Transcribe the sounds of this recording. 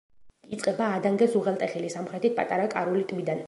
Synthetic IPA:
it̪sʼqʼɛbaːd̪aŋɡɛzuʁɛlˠt̪ʼɛχɛlisamχɾɛt̪ʰit̪̚pʼa̰t̪ʼaɾakʼaɾulit̪ʼmid̪an

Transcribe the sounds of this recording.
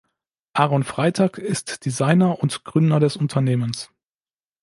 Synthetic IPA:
ʔaːʁɔnfʁ̥aɪtʰaːkɪstd̥izaɪnɐʔʊntɡ̥ʁʏndɐɾɛsʊntʰɐneːməns

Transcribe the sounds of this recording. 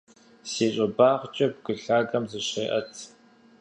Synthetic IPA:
siːɕʼɐbaːʁt͡ʃʼɐb̚ɡɨɬaːɡɐmzɨɕeːʔɐtʰ

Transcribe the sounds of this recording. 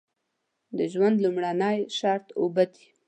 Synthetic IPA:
d̪əʒwand̪lumɽanəjʃɑɾt̪obad̪i̥

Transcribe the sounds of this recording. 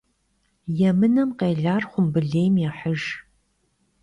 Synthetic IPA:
jɛmɨnɐmqeːɮaːrχʷʊmbɨɮeːjmjɛħəʒ

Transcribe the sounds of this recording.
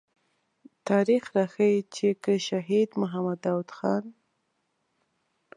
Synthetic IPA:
t̪ɑɾixɾɑxəjit͡ʃekəʃaɦid̪mʊɦamad̪awd̪xɑn

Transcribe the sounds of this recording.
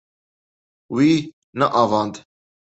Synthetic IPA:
wi | nəʔɑvɑnd̪

